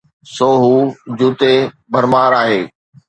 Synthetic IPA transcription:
soːɦud͡ʑuːt̪e | bʱəɾmaːɾaːɦeː

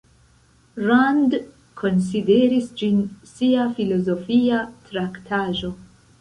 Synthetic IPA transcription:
ɾand | kʰo̞ns̬ideɾisd͡ʒinsiafilo̞zo̞fiatɾaktʰaʒo̞

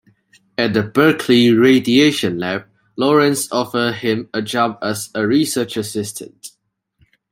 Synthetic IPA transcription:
ɛt̚dəbɜkʰliɹedieʃə̃nlɛb̚ | lɔɹə̃nsɔfədhɪ̃məd͡ʒãbɛsəɹisət͡ʃəsɪstʰə̰̃nt

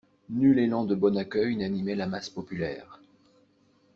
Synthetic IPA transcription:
nylelɑ̃d̪əbɔnakʲœjnanimɛlamaspɔpylɛ̰ːʁ

